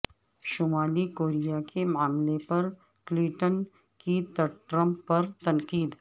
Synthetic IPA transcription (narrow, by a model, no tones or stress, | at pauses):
ʃoːmaːlikoːɾijakʰemaːmlepɐɾ | klɪ̃ʈən | kit̪ɐʈɾə̃mpːɐɾt̪ɐnqiːd̪